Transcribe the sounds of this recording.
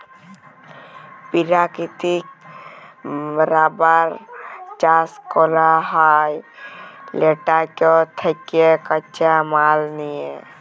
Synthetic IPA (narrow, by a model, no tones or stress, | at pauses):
piɾakit̪ik̚ | bəɾabəɾt͡ʃaskolaɦaj | leʈakot̪ʰəkekət͡ʃamalnie